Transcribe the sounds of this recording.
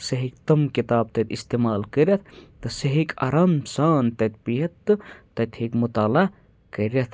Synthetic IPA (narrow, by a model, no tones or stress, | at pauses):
sɐɦik̚t̪ɐmkit̪aːb̚t̪ɐt̪ist̪eːmaːlkəɾɐt̪̚ʰt̪ɨsɐɦikɐ̰ɾamsaːnt̪ɐt̪̚piɦɐt̪ːɨː | ɐt̪ʰhekmut̪aːla | kəɾɐt̪ʰ